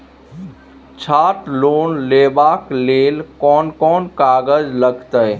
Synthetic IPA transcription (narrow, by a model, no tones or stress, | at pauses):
t͡ʃʰaːʈloːnleːbakleːlkɔːnkɔːnkaːɡəd͡ʒləɡt̪əj